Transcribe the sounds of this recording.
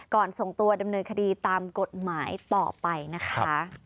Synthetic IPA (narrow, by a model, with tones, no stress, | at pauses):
kɔː˨˩nso˨˩ŋt̪u˧ɐda˧mnɤː˧nkʰa˧diː˧t̪aː˧mko˨˩t̪̚maː˩˦jt̪ɔ̰ː˨˩pa˧jna˦˥kʰa˦˥